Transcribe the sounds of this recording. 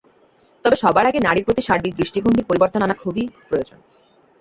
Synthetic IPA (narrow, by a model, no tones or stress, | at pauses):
t̪ɔbeʃɔbaɾaɡenaɽiɾpɾot̪iʃaɾbik̚d̪ɾiʃʈibʱoŋɡʱiɾpoɾiboɾt̪onanakʰubipɾojod͡ʑon